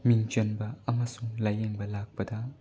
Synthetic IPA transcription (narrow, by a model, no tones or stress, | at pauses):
miŋt͡ʃonbɐɐmɐsuŋlajeŋbɐlak̚pɐdɐ